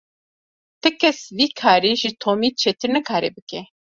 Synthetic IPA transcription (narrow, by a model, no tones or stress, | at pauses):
t̪ɨkʰɛsviːkʰaːɾiːʒɨt̪ʰoːmiːt͡ʃʰeːt̪ɨɾnɨkʰaːɾɛ̰ːbɨkɛ